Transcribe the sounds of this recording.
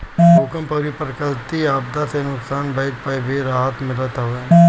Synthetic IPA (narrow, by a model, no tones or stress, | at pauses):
okəmpɐɾipɾkəlt̪iaːb̚d̪asenʊksaːnbɐɪt̪̚pəbeɾaːɦət̪mɪlət̪ɦɦoe